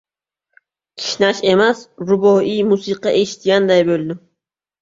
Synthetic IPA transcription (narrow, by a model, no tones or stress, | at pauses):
kʲʰɪ̥ʃnaʃe̞masɾʊboijmusɨqɑʔeʃt̪ɡʲand̪ajbold̪ɪm